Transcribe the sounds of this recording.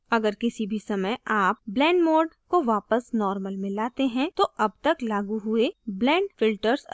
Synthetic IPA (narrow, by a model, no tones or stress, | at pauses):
ɐɡəɾkɪsibʱisɐməjʔaːp̚blɛ̃ːɳɖmɔːɾɖkoʋaːpəsnɔːɾməlmɪ̃laːt̪eɦɛ̃t̪oʔɐb̚t̪ɐklaːɡuɦʊeblɛ̃ːɖfɪlʈəɾs